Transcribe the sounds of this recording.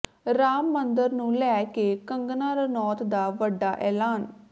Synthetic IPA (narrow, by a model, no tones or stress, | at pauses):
ɾaːmːənd̪əɾnũːlɛːkeːkəŋɡnaːɾənɔːt̪d̪aːʋəɖːaːʔɛːlaːn